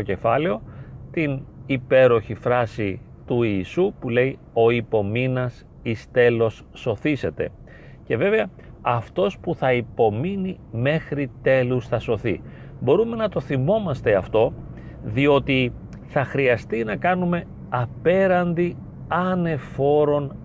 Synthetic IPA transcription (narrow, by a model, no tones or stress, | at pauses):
oce̞fɐle̞o̞t̪inipe̞ɾo̞çifɾɐsi | t̪uiːsupule̞i | o̞ipo̞minɐs | ist̪e̞lo̞sːo̞θise̞t̪e̞̰ | ce̞ve̞veɐ | ɐft̪o̞spuθɐipo̞mini | me̞xɾit̪e̞lusθɐso̞θḭ | bo̞ɾume̞nɐt̪o̞θimo̞mɐst̪e̞ɐft̪o̞ | ðio̞t̪i | θɐxɾiɐst̪inɐkɐnume̞ | ɐpe̞ɾɐnd̪i | ɐne̞fo̞ɾo̞n